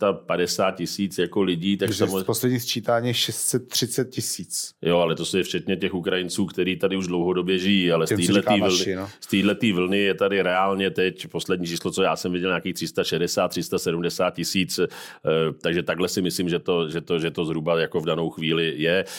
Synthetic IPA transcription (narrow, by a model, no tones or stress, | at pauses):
t̪apadɛsaːt̪̚cɪsiːt͡sjako̞lɪɟiːt̪aksamoposlɛdɲiːst͡ʃiːt̪aːɲiʃɛst̪sɛt̪ːr̥ɪt̪t͡sɛt̪̚cɪsiːt͡sjoalɛt̪o̞sjɛft͡ʃɛt̪ɲɛcɛxukɾajɪnt͡suːkt̪ɛɾiːt̪adɪuʒdlowɦo̞do̞bjɛʒɪjialɛsiːlɛtist̪iːdlɛt̪iːvl̩nɪjɛt̪adɪɾɛaːlɲɛt̪ɛcpo̞slɛdɲiːt͡ʃiːslot͡sojaːsɛmvɪɟɛlɲaːkiːxt̪r̥ɪst̪aʃɛdɛsaːt̪ːr̥ɪst̪asɛdumdɛsaːt̪̚cɪsiːt͡s | t̪aɡʒɛt̪aɡlɛsɪmɪsliːmʒɛt̪o̞ʒɛt̪oʒɛt̪o̞zɦɾubajako̞vdano̞wxviːlɪjɛ